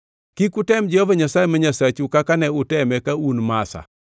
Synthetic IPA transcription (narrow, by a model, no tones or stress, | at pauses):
kikʊtɛmd͡ʒɛhovaɲasajɛmaɲasat͡ʃukakanɛʊtɛmɛkaunmasa̰